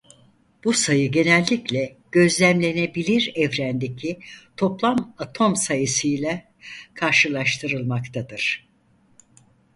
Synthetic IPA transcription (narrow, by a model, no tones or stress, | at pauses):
b̥usajɯɟe̞nɛlʲːiclʲɛ | ɟ̥ø̞zlʲæmlʲe̞ne̞bilʲiɾɛvɾænd̪e̞cʰit̪ʰo̞plˠamat̪ʰo̞msajɯsɯjlʲɛ | kʰaɾʃɯlˠaʃt̪ʰɯɾɯlˠmakt̪ʰad̪ɯɾ̥